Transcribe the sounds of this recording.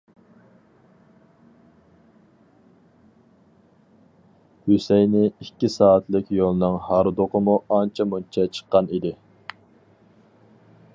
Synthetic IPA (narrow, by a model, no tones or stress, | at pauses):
hysɛjnɪikʲːisɑːɑt̪lˠɪkʲjolˠnɨŋhɑɾd̪oqəmuɑnt͡ʃʰɛmunt͡ʃʰɛt͡ʃʰə̥qːɑnid̪ɪ